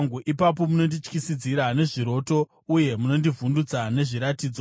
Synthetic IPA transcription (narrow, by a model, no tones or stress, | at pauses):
ŋɡuʔipap̬o̞muno̞ndit͡ʃkisid͡ziɾane̞ʐiɾo̞to̞ | uje̞muno̞ndivundud͡zane̞ʐiɾatiːd͡zo